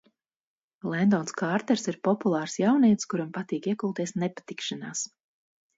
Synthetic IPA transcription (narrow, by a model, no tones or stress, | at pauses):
lˠɛnd̪ɔːnskaːɾt̪ɛɾsiɾpɔpulˠɑːɾsjawniɛt̪skuɾampat̪iːkiɛkulˠt̪iɛsnɛpḁt̪ikʃanaːs